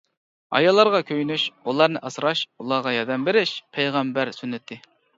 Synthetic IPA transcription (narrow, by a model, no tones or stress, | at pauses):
ɑ̰jɑlˠːɑɾʁɑkʲʰøjnyʃulˠɑɾnɨʔɑsɾɑʃulˠɑʁɑjɑd̪ɛmbeɾɪʃpʰɛjʁɛmbæɾsynːɪt̪ʰːɪ